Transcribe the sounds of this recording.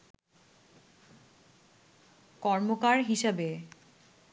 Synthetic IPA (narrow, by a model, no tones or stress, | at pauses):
kɔɾmokaɾɦiʃabe